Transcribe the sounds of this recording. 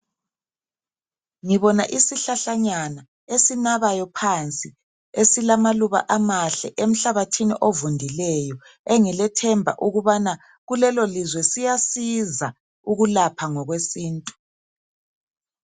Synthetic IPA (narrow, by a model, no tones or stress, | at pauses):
ŋiβɔnaʔisiɬaɬaɲana | esinaβajɔpʰant͡sʼi | esilamaluβa̰ʔamaɬɛʔem̩ɬaβatʰinḭʔovundʱilɛjɔ | eŋɛlɛtʰɛmbʱa̰ʔuɣuβana | ɣulɛlolizwɛsijasiza | uɣulapʰaŋɔɣwesiːntʼu̥